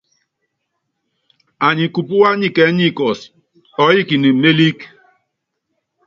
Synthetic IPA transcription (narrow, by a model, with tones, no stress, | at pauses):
a˨ɲi˨ku˨pu˦wa˦ɲi˦kɛ˨˦ɲi˦˨kɔ˨s | ɔ˨˦ji˦ki˨ni˨me˦li˦k